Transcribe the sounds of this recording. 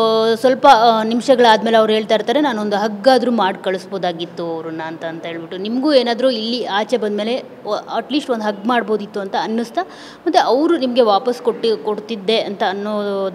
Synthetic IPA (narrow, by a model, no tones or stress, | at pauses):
sʋɐlpɐnimʂɐɡɐɭaːd̪meːleɐʋɾɦe̞ːɭt̪aːiɾt̪aːɾenaːnuond̪uɦɐɡːaːd̪ɾuːmaːɖkɐɭusboːd̪aːɡit̪ːuɐʋɾunːɐːnt̪ɐːnt̪ɐɦe̞ːɭbiʈːunimɐɡuːeːnaːd̪ɾuilːiaːt͡ʃebɐnd̪me̞ːle̞ | ɐʈliːsʈond̪ɦɐɡːmaːɽbo̞ːd̪it̪ːuɐnt̪ɐɐnːust̪a | mɐt̪ːeʔɐʋɾunimɐɡe̞ʋaːpɐskoikoɽt̪id̪ːe̞ɐnt̪ɐːnːoːd̪